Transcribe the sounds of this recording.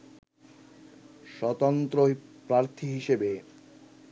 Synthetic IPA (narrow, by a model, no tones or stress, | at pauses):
ʃɔt̪ont̪ɾopɾaɾt̪ʰiɦiʃebe